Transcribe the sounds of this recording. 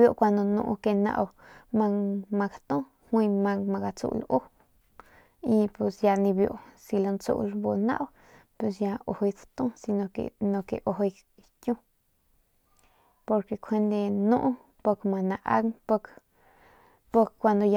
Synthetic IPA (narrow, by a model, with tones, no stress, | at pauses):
jo˧kʷa˧nd̪o˧nṵ̃˧ʔke˧na̰˧ʔwma˧ŋma˧ɡa˨t̪õ˦ | hwi˧ma˧ŋma˧ɡa˧t͡sṵ˧lu˦ | i˧pe˧sja˧ni˧bjo̰˧˨si˧lo˧nt͡sṵ˦˧ʔlbo˧na̰˦ʔw | pe˧s̬ja˧o˨ho˧jt͡sḁt̪õ˦si˧no˧kḛ˨no˧kḛ˨ʔo˨ɦo˧j | kʲũ˦ | po˧ɾke˧kʷʰe˦nd̪e˧nõ˦ʔ | po˧kma˧na˧ʔa̰˦ŋpo˧k | po˧kkːʷa˧nd̪o˧ja˧